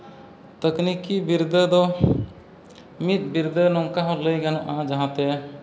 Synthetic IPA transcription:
t̪əknikibiɾd̪əd̪ɔ | mit̪̚biɾd̪ʱənɔ̃ŋkaɦɔləjɡanɔ̃ʔãd͡ʒaɦãt̪e

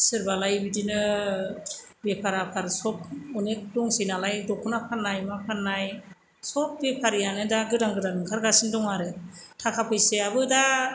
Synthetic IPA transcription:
sɯɾbalajbidinɯ | bepʰaɾapʰaɾsɔp̚ɔnek̚dɔŋsɯjnalajdɔkʰunapʰanːajmapʰanːaj | sɔp̚bepʰaɾijanɯdaɡɯdaŋɡɯdanɯŋkʰaɾɡasindɔŋaɾɯtʰakʰapʰɯjseabɯda

